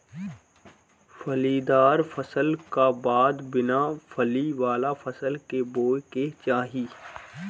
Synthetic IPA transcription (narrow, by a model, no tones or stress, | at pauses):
fɐliːd̪aːɾfɐsəlkabaːd̪bɪnafəliʋaːlafʰɐsəlkeboːjket͡ʃaːɦiː